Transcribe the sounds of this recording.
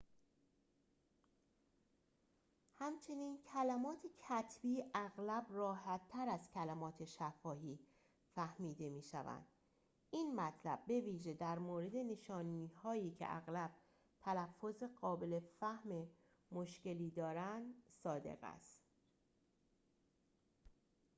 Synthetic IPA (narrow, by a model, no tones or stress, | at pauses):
hæmt͡ʃʰe̞niːncʰælæmɒːt̪ʰecʰæt̪ʰb̥iːʔæɣlæbrɒːhæt̪ʰːæɾæzcʰælæmɒːt̪ʰe̞ʃæfɒːɦiː | fæhmiːd̪e̞miːʃæ̰væ̰nd̪̥ | iːnmæt̪ʰlæ̰b̚ːe̞viːʒe̞d̪æɾmoːɾe̞d̪e̞ne̞ʃɒːniːhɒːjiːcʰḛʔæ̰ɣlæb̥̚ | t̪ʰælæfːoze̞ɣɒːbe̞le̞fæhme̞ | moʃce̞liːd̪ɒːɾænd̪sɒːd̪e̞̰ɣæ̰st̪